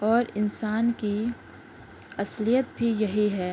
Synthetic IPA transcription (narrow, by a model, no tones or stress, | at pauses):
ɔːɾɪnsaːnki | ɐslijət̪bʱijɐɦiɦɛː